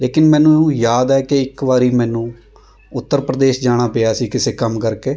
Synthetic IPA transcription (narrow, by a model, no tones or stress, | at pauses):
leːkɪnmɛ̃ːnũːũjaːd̪ɛːkeɪkʋaːɾiːmɛ̃ːnũː | ʊt̪ːəɾpɾəd̪eːʃd͡ʒaːɽ̃aːpeːaːsiːkɪseːkəmkəɾkeː